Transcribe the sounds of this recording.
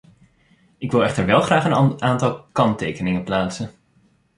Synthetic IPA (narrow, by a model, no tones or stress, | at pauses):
ɪkʋɪlˠɛχtəɹʋɛlˠχraːχənaːntɑlˠkɑntejkənɪŋəplaːtsən